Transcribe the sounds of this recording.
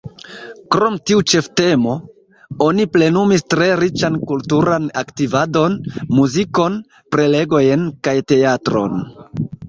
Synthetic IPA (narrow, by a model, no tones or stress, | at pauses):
kɾo̞mtiut͡ʃe̞fte̞mo̞ | o̞niple̞numistɾe̞ɾit͡ʃankultuɾanaktivado̞nmuziko̞n | pɾe̞le̞ɡo̞jenkajte̞atɾo̞̰n